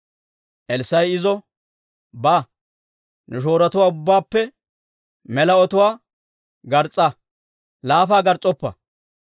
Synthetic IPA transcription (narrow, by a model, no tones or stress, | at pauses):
ʔɛlsɐjɪzɔ | baː | nɛʃ̬o̞ːɾɐt̪ʊwaːʊbːaːpːɛ | mɛlɐɔt̪ʊwaː | ɡɐɾt͡sʼːɐ | laːfaːɡɐɾt͡sʼɔpːɐ̰